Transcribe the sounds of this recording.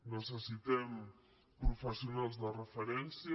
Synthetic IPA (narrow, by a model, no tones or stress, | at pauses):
nəsəsit̪ɛm | pɾufəsiunalˠzðərəfəɾɛnsi